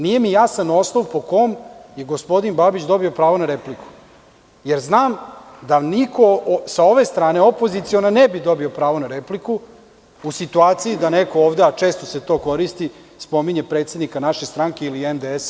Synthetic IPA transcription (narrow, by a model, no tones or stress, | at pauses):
nije̞mijasano̞sloʋpo̞ko̞mje̞ɡo̞spo̞d̪inbabit͡ʃd̪o̞bio̞pɾaːʋo̞naɾepliku̥ | je̞ɾznaːmd̪aniko̞sao̞ʋe̞st̪ɾaːne̞opo̞zit̪sionanebid̪o̞bio̞pɾaːʋo̞naɾepliku | usit̪uaːt̪siid̪aneko̞oːʋd̪e̞at͡ʂe̞ːst̪o̞se̞t̪o̞ːko̞ɾist̪i | spo̞miɲepɾeːt̪sed̪nikanaʃe̞st̪ɾaŋke̞iliemd̪ees